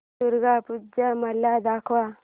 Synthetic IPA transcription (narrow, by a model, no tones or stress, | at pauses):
uɾɡapud͡ʒamalːad̪akʰwa